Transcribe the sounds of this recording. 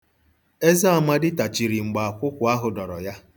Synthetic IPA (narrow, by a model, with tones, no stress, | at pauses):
e˦za˦a˨ma˦dɪ˦ta˨t͡ʃi˨ɾi˨ŋ͡m̩˨ɡ͡ba˨a˨kʷʊ˦kʷʊ˨a˦ɦʊ˨dɔ˨ɾɔ˨ja˦